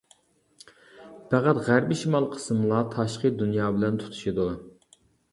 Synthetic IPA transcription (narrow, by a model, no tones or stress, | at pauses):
pʰæʁæt̪ʁæɾbiʃimɑlˠqʰə̥smlˠɑt̪ʰɑʃqiəd̪unjɑːbɪlɛnt̪ʰu̥t̪ʰu̥ʃid̪u